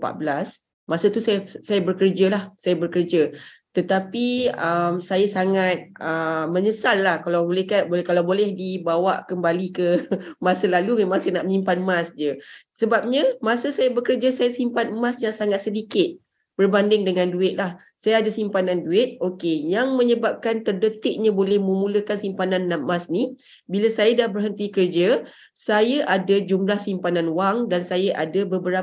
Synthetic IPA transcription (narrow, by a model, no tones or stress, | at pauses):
pa̰ʔ̚bəlas | masat̪usajasajabərkərd͡ʒalahsajabərkərd͡ʒa | t̪ət̪apiəmsajasaŋat̪̚əmə̃ɲəsalːahkalawbolɛhkabkalawbolɛhdibawaʔkəmbalikəmasalalumemãŋsajanaʔmimpanmãsd͡ʒəsəbap̚ɲãmasəsajabəkərd͡ʒasajasimpanmasjaŋsaŋat̪̚sədikɪt̪̚ | b̥ərbandɪŋdəŋanduɪt̪̚lah | sajaːdasimpananduɪt̪̚okejaŋmə̃ɲəbap̚kant̪ərdət̪ɪʔ̚ɲabolɛhmə̃mũləkansimpananːam̚masni | bilasajadahbərɦənt̪ikərd͡ʒa | sajaʔadad͡ʒumlahsimpananwaŋdansajaʔadabəbəɾa